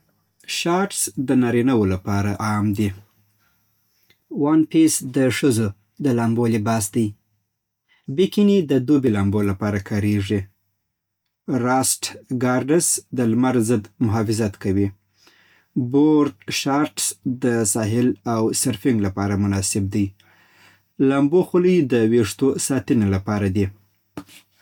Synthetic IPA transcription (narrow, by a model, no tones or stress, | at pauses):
ʃɑɾʈsd̪ənɑɾinawolapɑɾaʔɑmd̪i | wɑnpisd̪əʂəzo | d̪əlɑmbolibɑsd̪aj | bikinid̪əd̪obilɑmbolapɑɾakʰɑɾeʐi | ɾɑsʈɡɑɾɖəsd̪əlmaɾzəd̪mʊɦɑfɪzat̪kawi | boɾdʃɑɾʈsd̪əsɑɦɪlawseɾfɪŋɡlapɑɾamʊnɑsɪb̚d̪aj | lamboxuləjd̪əweʂt̪osɑt̪ənelapɑɾad̪i